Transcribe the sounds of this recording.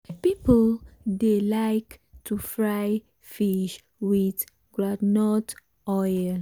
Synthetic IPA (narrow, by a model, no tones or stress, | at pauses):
pipoldelaɪktʰufɹaj | fiʃ | wit | ɡ̥ɹadnɔt | ɔjl